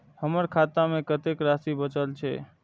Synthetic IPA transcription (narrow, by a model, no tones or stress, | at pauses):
həməɾkʰat̪amẽkət̪ekɾasibət͡ʃəlt͡ʃʰḛ